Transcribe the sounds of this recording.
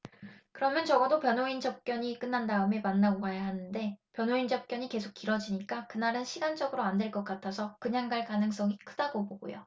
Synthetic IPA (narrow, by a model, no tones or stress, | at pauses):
kɯɾʌmjʌnt͡ɕʌɡʌdopjʌnoind͡ʑʌp̚k͈jʌɲik͈ɯnːandaɯme̞manːaɡokajaɦanɯnde̞pjʌnɦoind͡ʑʌp̚k͈jʌɲike̞sʰok͈iɾʌd͡ʑiɲik͈akɯnaɾɯnɕʰiɡand͡ʑʌɡɯɾoandwe̞ɭk͈ʌk͈̚atʰasʰʌkɯɲaŋɡaɭkanɯŋs͈ʌŋikʰɯdaɡoboɡo̰jo̰